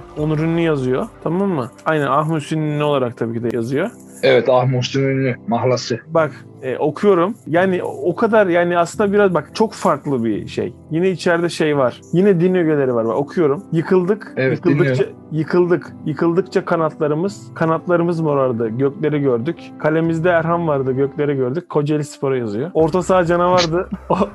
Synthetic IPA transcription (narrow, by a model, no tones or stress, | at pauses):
onuɾynnyjazɯjo̞t̪ʰamamːɯajnænaxmusinynno̞lˠaɾakt̪ʰabiːcʰid̪ɛjazɯjo̞ | evɛt̪ahmust̪inynymaɦlˠasɯbak | ɛ̰ʔo̞kʰujo̞ɾumjaːnɪʔo̞kʰad̪aɾjaːniasɯnd̪abiɾazbakt͡ʃʰo̞kfaɾklˠɯbḭʃḛjjinɛit͡ʃʰæɾd̪ɛʃe̞jvaɾ̥jinɛd̪inːʲijoɟelʲe̞ɾivaɾba̰ko̞kʰujo̞ɾumjɯkʰɯlˠd̪ɯkevɯkɯlˠd̪ɯt͡ʃa | jɯkʰɯlˠd̪ɯkjɯkʰɯlˠd̪ɯk̚t͡ʃʰakʰanalˠt̪lˠaɾɯmɯz̥kʰanat̪lˠaɾɯmɯzmoɾaɾd̪ɯɟøclʲe̞ɾiɟø̞ɾd̪yc | kʰalʲe̞mizd̪ɛæɾɦanvaɾd̪ɯɟøclʲe̞ɾɛɟøɾd̪yc̚ʲkʰo̞d͡ʒelʲispʰo̞ɾajazɯjo̞o̞ɾt̪ʰasaːd͡ʒanavaɾd̪ɯo